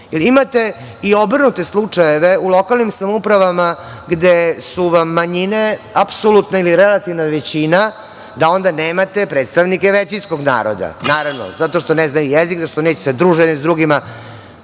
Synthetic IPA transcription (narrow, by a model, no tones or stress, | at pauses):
jelimat̪e̞ | io̞brnut̪e̞slˠut͡ʂajeʋe̞ulˠo̞kalˠnimsamoupɾaʋama | ɡd̪esuʋamːaɲine̞apsolut̪nailiɾelat̪iʋnaʋet͡ɕina | d̪ao̞nd̪aneːmat̪e̞pɾeːt̪st̪aʋnikeʋet͡ɕinsko̞ɡna̰ːɾo̰d̪a̰naːɾaʋno̰zat̪o̞ʂt̪o̞neznajujezikzaʂt̪oneːt͡ɕesed̪ɾuːʒennizd̪ɾuɡima